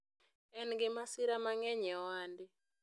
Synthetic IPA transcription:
ɛnɡɪmasiɾamaŋɛɲɛwandɪ

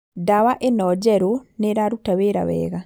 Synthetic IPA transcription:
dawaʔenɔd͡ʒɛɾoneɾaɾutaweɾa̰wɛ̰ːɣa

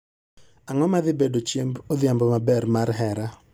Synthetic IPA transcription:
aŋɔmaðɪbedot͡ʃjembod̪ɪambɔmabɛrmaɾɦɛɾa

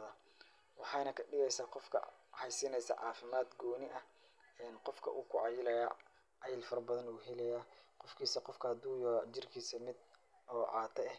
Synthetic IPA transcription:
ðɐ | wɑħɑjnɐkʰɐɖɪɣɛjsaːqɔfkʰɐ̰hɛjsɪnɛjsɐ̰ʕɑːfɪmaːd̪ɡɔːnɪʔɐ | ɛːnqɔfkʰɐ̰ʔuːkʰʊʕɑjɪlɐja̰ | ɑjɪlfɐɾɐbɐðɐnuːɦɛlɛjaːqɔfkʰiːsɐqɔfkʰɐd̪uːjɔːt͡ʃɪrkʰiːsɐmɪd̪ | ɔːʔɑːt̪ʰɐɛh

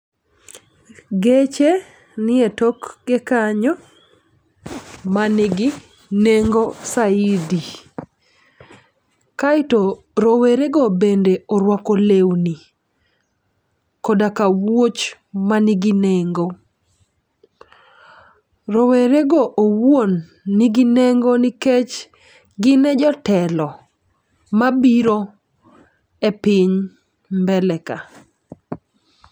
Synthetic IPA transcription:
ɡet͡ʃe | nɪetɔkɡɪkaɲɔ | manɪɡi | neŋɡɔsaidi | kaɪtɔ | ɾoweɾeɡɔbendeɔɾwakolewni | kɔdakawot͡ʃ | maniɡineŋɡo | ɾoweɾeɡoʔowwonː | iɡineŋɡoniket͡ʃ | ɡɪnɛd͡ʒɔtɛlɔ | mabiɾo | epɪɲ | mbɛlɛka

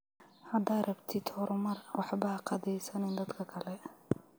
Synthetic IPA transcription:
hɐd̪aːd̪rɐbt̪ʰɪd̪hɔɾʊmɐrwʔɑħbɐqɑdɛjsɐnɪnd̪ɐd̪kʰɐkʰɐlɛ

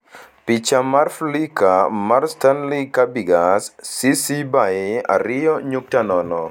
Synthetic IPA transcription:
pit͡ʃamarflikamarstanlikabiɡasːisibajɪa̰ɾɪjɔɲuk̚tanɔnɔ

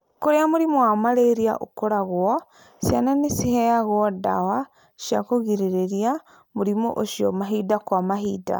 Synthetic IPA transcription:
koɾeamoɾimowamaɾeɾia̰ʔo̰koɾaɣwɔ | sja̰nanesihɛjaɣwɔda̰wa | ʃijakoɣiɾeɾeɾia | moɾimo̰ʔoʃiɔ̰maɦidakwamaɦiːda̰

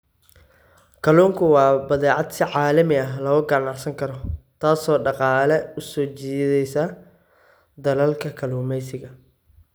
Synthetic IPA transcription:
kʰɐluːŋkʰʊwɑːbɐðɛːʕɑd̪sɪʕaːlɐmɪɐɦlɔʊɡɐnaħsɐŋkʰɐɾɔt̪ʰaːsɔːɖɑqɑːlɛʊsɔːt͡ʃiːðɛjsaː | d̪ɐlɐlkʰɐkʰɐluːmɛjsɪɣɐ

